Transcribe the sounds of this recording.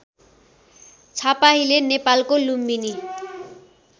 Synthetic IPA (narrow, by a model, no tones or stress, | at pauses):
t͡sʰapaɦilenepalkolumbini